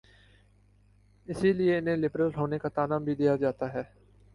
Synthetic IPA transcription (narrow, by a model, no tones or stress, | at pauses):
ɪsilɪeɪnẽlɪpɾəlɦoːnekat̪aːnaːmbʱid̪ijad͡ʒaːt̪aɦɛː